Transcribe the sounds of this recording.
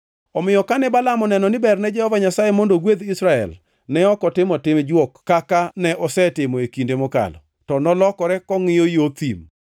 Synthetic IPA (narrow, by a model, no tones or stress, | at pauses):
ɔmɪjɔkanɛbalamɔnɛnɔnɪbɛrnɛd͡ʒɛhɔvaɲasajemondoɡwed̪isɾaɛ̰l | nɛɔkɔtɪmɔtɪmd͡ʒwɔkːakanɛʔɔsɛtɪmɔekindemoka̰lɔ̰ | tɔnɔlɔkɔɾɛkɔŋɪjojot̪im